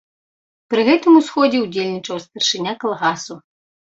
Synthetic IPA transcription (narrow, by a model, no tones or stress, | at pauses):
pɾɨɣɛt̪ɨmusxɔd͡zʲɛud͡zʲelʲnʲit͡ʂɐwst̪ɐrʂɨnʲakɐlˠɣasu